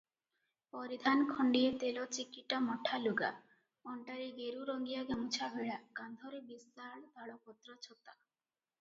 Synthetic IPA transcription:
pɔɾid̪ʱankʰɔɳɖiet̪elɔt͡ʃikiʈamɔʈʰaluɡa̰ | ɔɳʈaɾiɡeɾuɾɔŋɡijaɡamut͡ʃʰabʱeɭakand̪ʱɔɾebisaɭd̪ʱaɭɔpɔt̪ɾɔt͡ʃʰɔt̪a

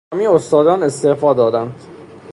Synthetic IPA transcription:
miːost̪ɒːd̪ɒːne̞st̪efɒːd̪ɒːd̪ænd̪̥

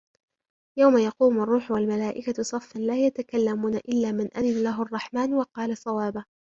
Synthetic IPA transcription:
jawmajɑquːmɑrˤːuːħwalmalaːʔɪkasˤɑfːanlaːjat̪akalːamuːnaʔɪlːaːmɪnʔaðɪnalaɦʊʔɑrˤːɑħmaːnwɑqɑːlɑsˤɑwaːba

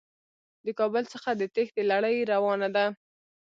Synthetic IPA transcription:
d̪əkɑbəlt͡səxad̪ət̪exd̪əlaɽəjɾawɑnad̪a

